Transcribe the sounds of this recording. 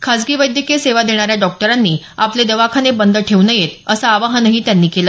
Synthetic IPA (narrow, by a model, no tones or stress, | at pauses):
kʰad͡zɡiːʋəjd̪ʱjəkeseʋad̪eɽ̃aɾjaɖɔk̚ʈəɾanːiː | apled̪əʋakʰanebənd̪əʈʰeʋnəjet̪əsaːʋaɦənəɦiːt̪janːiːkelə